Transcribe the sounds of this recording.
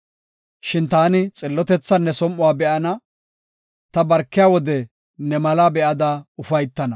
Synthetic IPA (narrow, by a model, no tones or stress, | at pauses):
ʃɪnt̪aːnɪt͡sʼɪlːɔt̪ɛt͡sːɐnːɛsɔmʔːʊwaːbɛʔɐnɐ | t̪ɐbɐɾkːɪjaːwɔd̪ɛ | nɛmɐlabɛʔɐd̪aʊfɐjt̪ːɐnɐ